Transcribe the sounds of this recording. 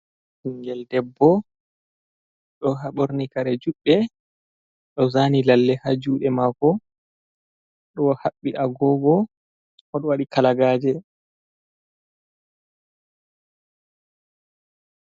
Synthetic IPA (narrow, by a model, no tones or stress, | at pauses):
hiŋɡɛldɛbːɔ | ɗɔɦaɓoɾnikaɾɛd͡ʒuɓːɛ | ɗɔzaːnilalːɛhad͡ʒuːɗɛmakɔ | ɗɔhaɓːiʔaɡɔbɔ | ɔɗɔwaɗikalaɡaːd͡ʒɛ